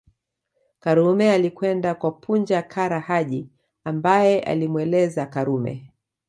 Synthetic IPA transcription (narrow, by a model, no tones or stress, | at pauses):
kaɾumɛalikwɛndakwapʰund͡ʒakʰaɾahaʄi | ambajɛʔa̰limwɛlɛzakaɾumɛ̰